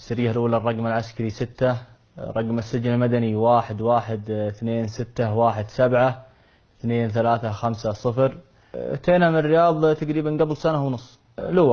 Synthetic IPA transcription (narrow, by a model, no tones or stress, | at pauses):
sːɪɾiːalʔuːlarˤːɑɡmalʕaskaɾisɪt̪ːa | ɾˤɑɡmasːɪd͡ʒnɪlmad̪aniwaːħɪd̪waːħɪd̪θneːnsɪt̪ːawaːħɪd̪sabʕa | θneːnθalaːθaxamsasˤɨfɾ | t̪eːnamrːɪjɑːðˤt̪aɡɾiːbanɡablsanawnʊsˤː | luː